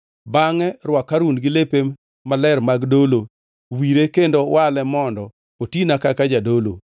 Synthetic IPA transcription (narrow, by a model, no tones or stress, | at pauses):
baŋɛɾwakːaɾunɡɪlepe | malɛrmaɡdolo | wiɾekendowʔalɛmɔndɔ | otinakakad͡ʒadolo̰